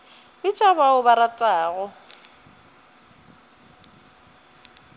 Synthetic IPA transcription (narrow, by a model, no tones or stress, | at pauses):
bɪt͡ʃʼaβaʊbaɾatʼaːɣɔ